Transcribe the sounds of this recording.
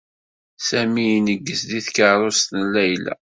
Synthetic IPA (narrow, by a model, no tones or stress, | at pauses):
sæmijnəɡːəsðiθkəɾˤost̪nlːæjlæ̰